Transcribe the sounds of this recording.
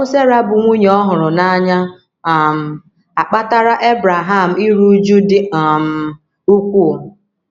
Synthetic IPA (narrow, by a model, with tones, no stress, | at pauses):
ʊ˦se˦ɾa˦bʊ˨ŋʷu˦ɲ˨ɔ˦ɦʊ˨ɾʊ˨na˦ɲa˦˨ | m̩˨ | a˨k͡pa˦ta˦ɾa˦ʔe˦bɾa˨ɦa˦˨m̩˨i˦ɾu˦d͡ʒu˦dɪ˦a˨m̩˨ | u˦kʷu˦˨